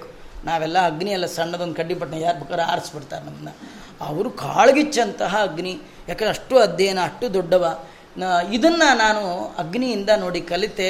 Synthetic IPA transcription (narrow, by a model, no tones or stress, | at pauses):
eku̥naːʋɛlːɐːɡniɛlːɐsɐɳːɐd̪ond̪ukɐɖːip̬ɐʈnɐjaːɾbɐkaɾa̰ːɾɐsbɐɽt̪aːɾenɐmːɐnːɐɐʋɾukaːɭɡit͡ʃːɐnt̪ɐɦɐɐɡni | jaːkɐnd̪eɐʂʈːuɐd̪ʱjɐjnɐːʂʈːud̪ɔɖːɐʋa | id̪ɐnːɐnaːnuɐɡnijind̪ɐno̞ːɽikɐlit̪e